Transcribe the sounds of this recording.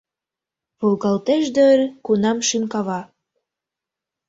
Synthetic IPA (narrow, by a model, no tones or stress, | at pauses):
βolɣɑlt̪eʃd̪ørkunɑmʃynkɑβɑ